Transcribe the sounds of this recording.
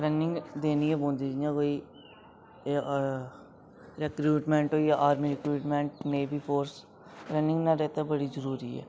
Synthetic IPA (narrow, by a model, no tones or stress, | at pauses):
ɾənɪ̃ŋɡd̪eːniːɦɛːbõːnd̪id͡ʒijãːkoːiː | ɾɛkɾuːʈmẽːɳʈɦoːijaʔaːɾmiɾɛkɾuːʈmẽːɳʈneːbiːpʰoːɾs | ɾənɪ̃ŋɡnaɾɛːt̪abəɽizəɾuːɾiːɦɛ̰ː